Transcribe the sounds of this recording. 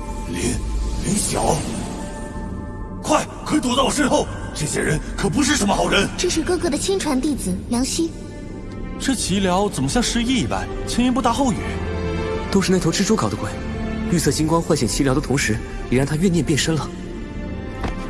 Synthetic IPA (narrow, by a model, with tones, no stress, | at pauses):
li˧˥nli˧˥ɕjɑ̰˨˩˦ʊ | kʰwa˥˩ɪkʰt̪wt̪ɑ˥˩ʊ˨˩ʂ̬ə˥˧xo˥˩ʊ | ʈ͡ʂɤ˥˩ɕjɛ̰˥ɻə˧˥nkʰɤ˨˩p̬u˧˥ʂ̬ɻ̩˥˩ʂə˧˥mə˧xɑ˨˩ʊɻə˧˥nʈ͡ʂɤ˥˧ʂɻ̩˥˧kɤ˥˧kɤ˥˩d̪ə˩t͡ɕʰi˥ŋʈ͡ʂʰwa˧˥nt̪i˥˩d͡zɹ̩˨˩ljɑ˧˥ŋɕy˥ | ʈ͡ʂ̩ʰ˥˩t͡ɕʰi˧˥ljɑ˧˥ʊt͡sə˨˩nmə˦ɕjɑ˥˧ŋʂɻ̩˧˥i˥˩i˨˩pa̰˥˩ɪt͡ɕʰɛ˥nɛ˥˧np̬u˥˩t̪a˥˧xo˥˩ʊy̰˨˩˦t̪o˥ʊʂɻ̩˥˧e˥˩˧ʊʈ͡ʂʰɻ̩˥ʈ͡ʂu˥kʰɑ˨˩ʊd̪ə˦kwa˨˩ | ly˥˧sʰɤ˥˩t͡ɕi˥ŋkwɑ˥ŋxwa˥˩ɕjɛ˨˩nt͡ɕʰi˧˥ljɑ˧˥d̪ə˧t̪ʰʊ˧˥ŋʂɻ̩˧˥ | i˨˩ɻa˧˥nt̪ʰa˥ɥɛ˥˧njɛ˥˧npjɛ˥˩nʂə˥ŋlə˨